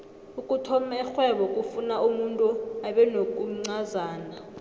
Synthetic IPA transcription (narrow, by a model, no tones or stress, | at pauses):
ukʼutʰɔmɛxwɛɓɔkʼufunaʔumuntʼuaɓɛnok̬ʼuŋ͡ǀazaːna